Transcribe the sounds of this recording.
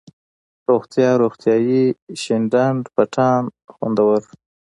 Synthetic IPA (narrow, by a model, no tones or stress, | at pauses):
ɾoxt̪jɑɾoxt̪jɑjiʃɪɳɖaɳɖpaʈʰɑnxwṵnd̪awəɾ